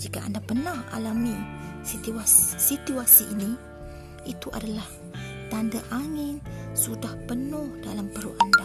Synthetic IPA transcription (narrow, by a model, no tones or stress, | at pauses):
d͡ʒika̰ʔa̰ndapənaha̰lamisit̪iassit̪uasiʔini | it̪uʔa̰dalah | t̪andaʔaŋɪnsudahpənʊhdalampəɾuʔanda